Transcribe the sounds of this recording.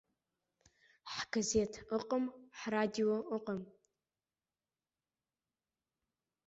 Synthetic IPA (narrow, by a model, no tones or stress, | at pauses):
ħɡɐzeːtʰɨqʼəmħraːdioːʔəqʼəm